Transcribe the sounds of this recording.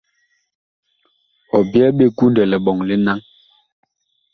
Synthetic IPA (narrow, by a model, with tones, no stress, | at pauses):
ɔ˨bjɛ˦ɓe˦ɡu˦ndɛ˨lɛ˨ɓɔ˨ŋli˦na˦ŋ